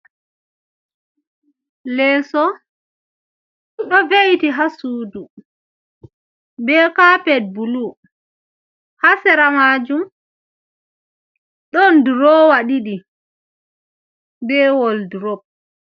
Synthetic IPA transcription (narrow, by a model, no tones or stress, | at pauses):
lɛːsɔ | ɗɔvejtiɦasuːdu | bɛːkapɛd̚bulu | hasɛɾamaːd͡ʒum | ɗɔndɾɔwaɗiɗi | bɛːwɔldɾɔb̚